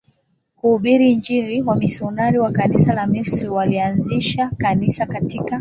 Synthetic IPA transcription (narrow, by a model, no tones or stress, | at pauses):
kuhuɓiɾiɲd͡ʒiɾiwamisɔnaɾiwakanisalamisɾiwalianziʃakanisakatika